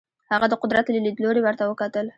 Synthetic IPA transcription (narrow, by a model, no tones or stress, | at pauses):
haɣad̪əqʊd̪ɾat̪lilid̪loɾewaɾt̪awəkat̪əl